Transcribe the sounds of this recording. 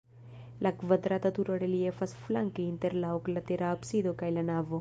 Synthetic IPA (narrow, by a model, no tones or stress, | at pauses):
lakvad̪ɾat̪at̪uɾoɾeliefasflaŋkeint̪e̞ɾlaoklat̪eɾaːpsid̪o̞kajlanavo̞